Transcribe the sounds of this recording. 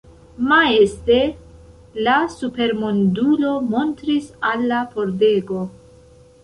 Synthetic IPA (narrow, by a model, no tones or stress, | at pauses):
mae̞ste̞ | lasupe̞ɾmondulo̞mo̞ntɾisalːapo̞ɾde̞ɡo̞